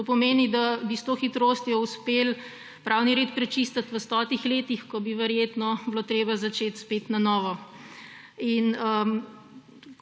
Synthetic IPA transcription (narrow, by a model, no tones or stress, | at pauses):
t̪opɔmeːnid̪abist̪oxit̪ɾoːst̪jɔuspeːl | pɾʔaːwniɾeːt̪pɾɛt͡ʃist̪at̪ʋəst̪ɔːt̪ixleːt̪ixkɔbiʋɛɾjeːt̪nɔbloːt̪ɾeːbazat͡ʃeːt̪spet̪nanɔːʋɔ | inə